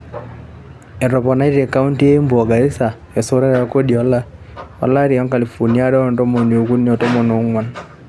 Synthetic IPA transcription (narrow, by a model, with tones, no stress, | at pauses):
ɛ˨ɾɔ˨pɔ˨na˦i˦te˨ka˦u˦nti˦e˦mbu˨ɔ˨ɡa˨i˦sa˨ | ɛ˨so˦ɾɛ˦ɾa˦ko˦di˨ɔ˨˦la˦ | wa̰˨la˦ɾi˨ɔ˦ŋka˨li˨fo˨ni˦a˦dɔ˦˨ntɔ˦mo˨no˨ku˦njɔ˨to˦mo˨no˨˦ŋwa˨n